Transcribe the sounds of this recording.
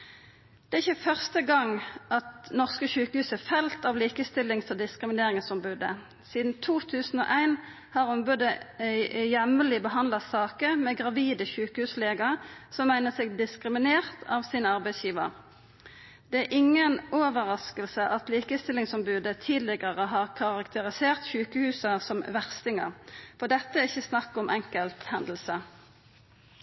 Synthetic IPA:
d̪̥ɛæɪçːəfœʁst̪əɡɑŋɑt̪nɔʁskəçʉːkəhʉːsəfɛlt̪ɑʋliːkəst̪ɪlːɪŋsɔd̪ɪskʁɪmɪneːʁɪŋsɔmbʉːd̪ə̰ | siːd̪n̩t̪ʰuːt̪ʰʉːsn̩o̰ːʔæɪn | hɑʁɔmbʉːd̪ə | jɛməlɪbəɦɑnd̪lɑsɑːkəʁmɛɡʁɑʋiːd̪əçʉːkəhʉːsleːɡɑsɔmːæɪnəsɛɡd̪ɪskʁɪmɪneːʁt̪ʰɑʋsiːnəɑʁbæɪsjiːʋə̰ʁ | d̪̥ɛæɾʔɪŋːənoːʋəʁɑskəlsəʔɑt̪liːkəst̪ɪlɪŋsɔmbʉːd̪ət̪ʰiːd̪lɪɡəʁəɦɑːʁkʰɑʁɑkt̪ʰəʁɪseːʁt̪çʉːkəhʉːsɑsɔmʋæʁst̪ɪŋəʁfɔʁd̪ɛt̪ːəæʁɪçːəsnɑkːɔmʔɛŋkəlt̪hɛnd̪l̩sə

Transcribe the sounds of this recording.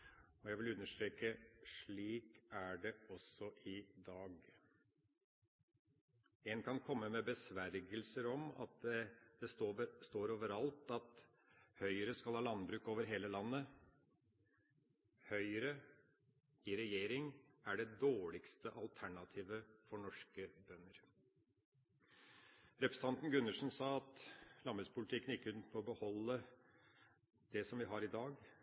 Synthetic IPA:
ɔjæɪɡʋɪlʉnːəʂt̪ɾeːkəʂɭiːkæɖɛɔsɔʔɪd̪ɑːɡ | ɛnkʰɑnkʰɔmːəmɛbəsʋæɾɡəlsəɾɔmɑ̰t̪̚d̪ɛd̪̥ɛst̪oːəst̪oːɾoːʋəɾɑlt̪ɑt̪ | hœʏəɾəskɑlhɑːlɑnbɾʉːkoːʋəɾɦeːləlɑnːə | hœʏəɾə | ɪɾɛjeːɾɪŋæɖɛd̪oːɭɪkst̪əʔɑlt̪ʰæɳɑt̪ʰiːʋəfɔɳɔʂkəbœnːəɾ | ɾɛpɾɛsət̪ɑnt̪n̩ɡʉnːəʂənsɑːɑt̪lɑmbəspʰʊlɪt̪ɪkːənɪkːəʉnt̪mɔbəhɔlːə | d̪̥ɛsɔmʋɪɦɑɾɪd̪ɑːɡ

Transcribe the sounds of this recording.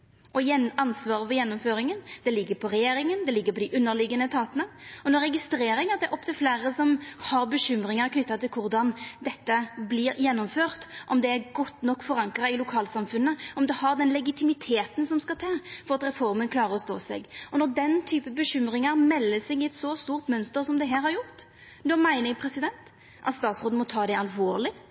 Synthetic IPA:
ʔɔjɛɑnsʋɑːɾəfɔjɛnːɔmføːɾɪŋənd̪ɛlɪɡːəɾpʰɔɾɛjeːɾɪŋənd̪ɛlɪɡːəɾpʰɔd̪ɪʔʉnːəɾlɪɡːənət̪ʰɑːt̪ənəɔnɔɾɛɡɪst̪ɾeːɾɪŋəd̪ɛʔɔp̚ːt̪ɪlfleːɾəsɔmhɑɾbəɕʏmɾɪŋɑɾkʰnʏt̪ːɑt̪ɪlkʰʊɾd̪ɑnd̪ɛt̪ːəblɪɾjɛnːɔmføːɾt̪ʔɔmd̪ɛæɾɡɔt̪ːnɔkːfɔɾɑŋkɾɑɪlʊkʰɑːlsɑmfʉnːəɔmd̪ɛhɑɾd̪ɛnlɛɡɪt̪ʰɪmɪt̪ʰeːt̪ənsɔmskɑt̪ʰɑːfɔɾɑt̪ɾɛfɔɾmənkʰlɑːɾəɾɔst̪o̰ːsɛ̰ɡɔnɔʁd̪ɛnt̪ʰyːpəbəɕʏmɾɪŋɑɾmɛlːəsɛɡɪɛt̪sɔst̪uːʁt̪mœnst̪əɾsɔmd̪ɛɦæːɾhɑɾjʊʁt̪ | nɔmæɪnəɪpʰɾɛsɪd̪ɛnt̪ | ʔɑ̰t̪st̪ɑːt̪sɾoːd̪̩mɔt̪ʰɑːd̪ɛɑlʋoːʁlɪ

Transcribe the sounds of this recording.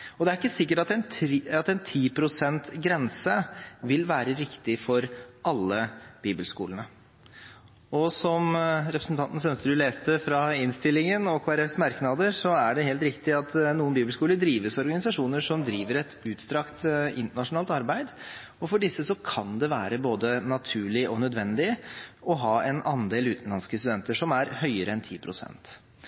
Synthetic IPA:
ɔd̪ɛæɾɪkːəsɪkːəʈɑt̪ɛnɑt̪ɛnt̪ʰiːpʰɾʊsɛnt̪ɡɾɛnsəʋɪlʋæːɾəɾɪkt̪ɪfɔɾɑlːəb̥iːbəlskṵːlnə | ɔsɔmɾɛpɾəsn̩t̪ʰɑnt̪n̩sœnst̪əd̪ʉleːst̪əfɾɑɪnst̪ɪlːɪŋənɔkʰoːæɾɛfsmɑɾknɑd̪əʂɔæɖɛɦeːlt̪ɾɪkt̪ɪɑt̪nuːənbiːbəlskuːləd̪ɾiːʋəsɔɾɡɑnɪsɑʂuːnəʂɔmd̪ɾiːʋəɾɛt̪ʉːt̪st̪ɾɑkt̪ɪnt̪əɳɑʂʊnɑːlt̪ɑɾbæɪd̪ | ɔfɔɖɪsːəsɔkʰɑnd̪ɛʋæːɾəboːd̪ənɑt̪ʰʉːɭɪʔɔnœd̪ʋɛnd̪ɪəɔɦɑːɛnɑnd̪eːlʉːt̪n̩lɑnskəst̪ʉd̪ɛnt̪əʂɔmæɾhœʏəɾəɛnt̪ʰiːpʰɾʊsɛ̰nt̪

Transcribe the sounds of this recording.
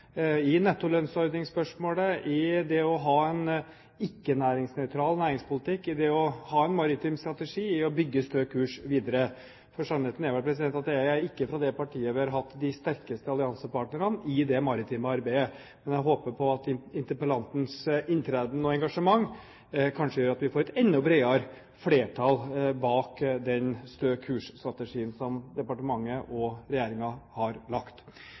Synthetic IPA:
ɪnɛt̪ːʊlœnsɔɾd̪nɪŋspœʂmoːləʔɪd̪ɛɔɦɑːɛn | ɪkːənæːɾɪŋsnœʉt̪ʰɾɑːlnæːɾɪŋspʊlɪt̪ɪkːɪd̪ɛɔhɑːɛnmɑɾɪt̪iːmst̪ɾɑt̪ɛʂiːɪɔbʏɡːəst̪øːkʰʉːʂʋiːd̪əɾə | fɔʂɑnɛt̪n̩jæʋæʈ̚pʰɾɛs̬ɪd̪ɛnt̪ɑt̪jæɪæɾɪkːəfɾɑd̪ɛpɑʈʰiːəʋɪɑɾɦɑt̪ːd̪ɪst̪æɾkəst̪əɑlɪɑnsəpɑːʈnəɾənɪd̪ɛmɑɾɪt̪ʰiːməɑɾbæɪə | mɛnjæɦoːpəpʰɔɑt̪ɪnt̪əpəlɑnt̪n̩sɪnt̪ʰɾɛːd̪nɔɛŋɡɑʂəmɑŋː | kʰɑnʂəjøːɾɑt̪ʋɪfoːɾɛt̪ɛnːʊbɾeɪɑɾ | fleːʈʰɑlbɑːkd̪ɛnst̪øːkʰʉːʂst̪ɾɑt̪əʂiːənsɔmd̪ɛpɑʈəmɑŋːəʔɔɾɛjeːɾɪŋɑhɑɾlɑkt̪

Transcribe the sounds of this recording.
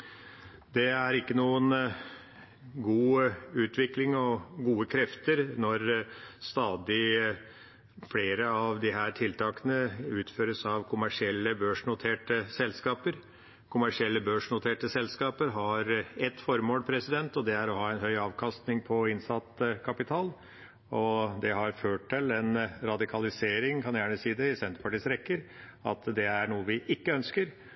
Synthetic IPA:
d̪ɛæɾɪkːənuːən | ɡuːʉːt̪ʰʋɪklɪŋɔɡuːəkʰɾɛft̪əɾnɔɾst̪ɑːd̪ɪ | fleːɾəɑʋd̪ɪɦæːʈʰɪlt̪ʰɑːkənəʉːt̪føːɾəsɑʋkʰʊmæʂɪɛlːəbøːʂnʊt̪ʰeːʈəsɛlskɑːpəɾ | kʰʊmæʂɪɛlːəbøːʂnʊt̪ʰeːʈəsɛlskɑːpəɾɦɑɾɛt̪ːfɔɾmoːlpʰɾɛsɪd̪ɛnt̪ɔd̪ɛæɾɔɦɑːɛnhœʏɑːʋkʰɑst̪nɪŋpʰɔɪnsɑt̪kʰɑpɪt̪ʰɑːl | ɔd̪ɛɦɑɾføːʈʈːɪlɛnɾɑd̪ɪkʰɑlɪseːɾɪŋkʰɑnjæːɳəsiːd̪ɛɪsɛnt̪əɾpʰɑʈiːsɾɛkːəɾ | ɑ̰t̪d̪ɛæɳuːəʋɪʔɪkːəœnskəɾ

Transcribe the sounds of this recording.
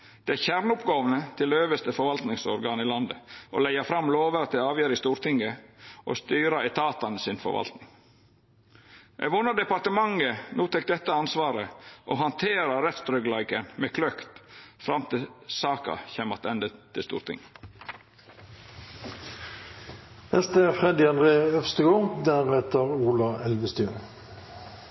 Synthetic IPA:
d̪̥ɛæçæɾnʊpɡoːʋənət̪ʰɪløːʋəst̪əfɔɾʋɑlt̪nɪŋsɔɾɡɑːniːlɑnd̪əo̰ːlæɪɑfɾɑmloːʋəɾt̪ɪlɑːʋjeːɾɪst̪uːɾt̪ɪŋəʔo̰ːst̪yːɾɑɛt̪ʰɑːt̪ɑnsɪnfɔ̰ɾʋɑ̰lt̪nɪŋ | ʔæ̰ʋʊnːəɖ̪ɛpɑʈəmɑŋənuːt̪ʰɛk̚d̪ɛt̪ːəɑnsʋɑːɾəʔoːhɑnt̪ʰeːɾɑɾɛt̪sd̪ɾœɡlɑɪkənmeːkʰlœkt̪fɾɑmt̪ɪlsɑːkɑ̰çɛmɑt̪ɛnd̪əɪst̪ṵːɾt̪ɪ̰ŋə | ɛst̪əfʁɛd̪ɪɑnd̪ʁeːœfst̪əɡoːʁd̪æʁheːt̪əʁuːlɑɛlʋəst̪yːʁ

